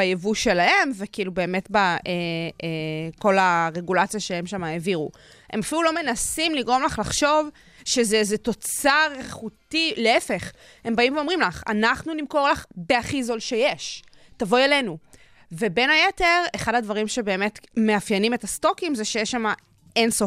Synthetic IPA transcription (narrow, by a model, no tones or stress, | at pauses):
bajevuʃe̞lahe̞mvekiilube̞ːme̞tbaʔe | ko̞laʁe̞ɡulat͡sijaʃeemʃamaeviʁu | e̞mafilulo̞me̞nasimliɡʁo̞mlaχlaχʃo̞v | ʃezezeto̞t͡saʁeχutileefe̞χ | he̞mbaimveo̞mʁimlaχa̰naχnunimko̞ʁlaχbe̞aχizo̞lʃeje̞ʃ | tavo̞jele̞nu | ve̞be̞najete̞ʁeχadhadvaʁimʃe̞beːme̞tme̞afjenimetasto̞kimzeʃejeʃama | ensof